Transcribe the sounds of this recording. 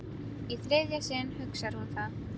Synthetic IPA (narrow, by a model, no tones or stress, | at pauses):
iθlɪðjasɪnhʏksaɾ̥hunθað